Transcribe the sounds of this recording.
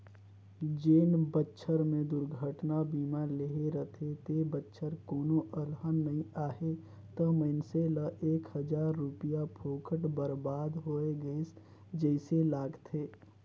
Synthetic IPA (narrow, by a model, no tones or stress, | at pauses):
d͡ʒeːnbətːʃʰəɾmẽd̪ʊɾɡʱəʈnabiːmaɾleɦeɾət̪ʰet̪ebətːʃʰəɾkoːnoʔəlɦənːəɦĩaːɦe | t̪əməɪnseləʔeːkhəd͡ʒaːɾːʊpijapʰoːkəʈbəɾbaːd̪ɦoːeɡəes | d͡ʒəɪselaːɡt̪ʰeː